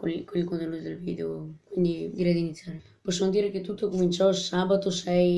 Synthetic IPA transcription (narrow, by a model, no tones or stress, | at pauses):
ko̰nikonilkont̪enːuːt̪od̪elviːd̪eokwind̪id̪iɾɛjd̪init̪sːjaːɾe | pɔsːomod̪iːɾeket̪ːut̪ːokomint͡ʃɔsaːbat̪osɛj